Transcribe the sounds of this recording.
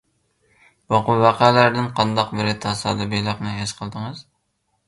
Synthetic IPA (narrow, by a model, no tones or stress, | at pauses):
bɑqʊvæqʰælæɾd̪ɪnqʰɑnd̪ɑqbɪɾɪt̪ʰɑsɑ̰ːd̪ɨbelˠɨqnɨeʃqʰəlˠd̪əŋɨz